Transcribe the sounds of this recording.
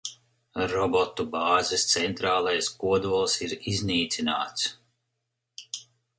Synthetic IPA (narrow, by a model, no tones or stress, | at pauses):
ɾɔbɔt̪ubaːzɛst̪sɛnt̪ɾaːlˠajskuɔd̪uɔlˠsiɾizniːt̪sinaːt̪s